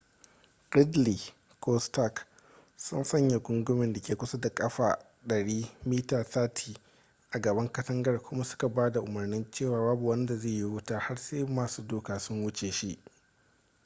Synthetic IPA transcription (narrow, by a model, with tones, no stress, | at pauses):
kɪ˦dliː˨ | kʰɔː˦sta˦˨k | sʊ̰˦nsɐ˦˨ɲja˨ɡʷʊ˦ŋɡʊ˦mɪ˨nda˨kʲeː˨kʷʊ˦sɐ˦da˨kʼɐ˦ɸaː˨ | ɗɐ˨ɽiː˦miː˦taː˨taː˦tʰiː˨ | ʔa˨ɡɐ˨bɐ˦ŋkɐ˦tɐ˦ŋɡɐ˦rkʷʊ˦ma˦sʊ̥˦ka˨baː˦da˨ʔʊ˨mɐ˨rnɪ˦nt͡ʃeː˦˨waː˦baː˦bu˨wɐ˦nda˨zeː˦˨ji˦wʊ˦taː˦ha˦rseː˦maː˨suː˦doː˦kaː˨sʊ˦ŋwʊ˦t͡ʃeː˨ʃi˦ʔ